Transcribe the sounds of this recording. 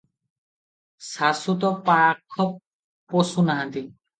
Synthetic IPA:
sasut̪̬ɔpaɹakʰːɔ | posunaɦãt̪i

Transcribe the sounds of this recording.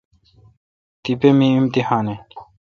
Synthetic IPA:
t̪ipemiimt̪ihaːne

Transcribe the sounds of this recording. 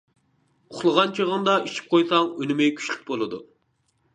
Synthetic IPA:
uχlˠəʁɑnt͡ʃʰiʁənd̪ɑit͡ʃʰi̥p̚qʰojsɑŋønɪmɪkʲʰy̥ʃlʲy̥k̚ʲbolˠɨd̪ṵ

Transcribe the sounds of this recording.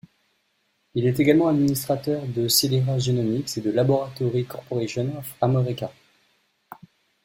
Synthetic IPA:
ilɛt̪eɡalmɑ̃ad̪minist̪χat̪œʁd̪əseleʁaʒjenɔmiksed̪əlabɔʁat̪ɔʁikɔʁpɔʁeʒɔnɔfamɔʁikʲa

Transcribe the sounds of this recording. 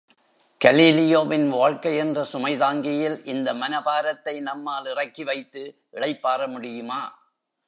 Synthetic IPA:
kɐliːlɪjoːʋɪnʋaːɻkɐɪɛndrɐsʊmɐɪðaːŋɡɪjɪlʔɪnd̪ɐmɐnɐbaːɾɐt̪ːɐɪnɐmːaːlɪrɐkːiʋɐɪt̪ːɯ | ʔɪɽɐɪpːaːɾɐmʊɽɪjɯmaː

